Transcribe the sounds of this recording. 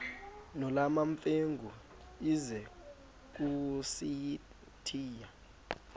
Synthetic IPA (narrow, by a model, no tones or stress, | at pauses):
nɔlamaɱfeŋɡʱu | izɛ | k̬usiji | tʰiːja